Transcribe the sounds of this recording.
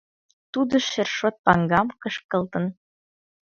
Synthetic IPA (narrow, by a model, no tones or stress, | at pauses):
t̪ud̪ə̆ʃerʃot̪̚pɑŋɡɑmkɤʃkɤ̆lt̪ɤ̆n